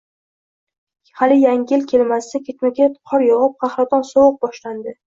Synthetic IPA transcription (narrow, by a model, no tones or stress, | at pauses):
halɪjaŋʲɪlkʲʰe̞lmasakʲʰet̪makʲʰet̪qʰɒɾjɒʁɨp̚qʰɑhɾat̪ʰɒnsɒwʊq̚bɒʃland̪ɪ